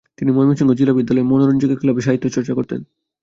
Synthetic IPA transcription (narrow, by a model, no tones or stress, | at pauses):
t̪inimomiʃiŋɡod͡ʑilabid̪ːalɔemonoɾonid͡ʑoɡekʰilabeʃ̬aɦit̪ːot͡ɕɔɾt͡ɕakoɾt̪ḛn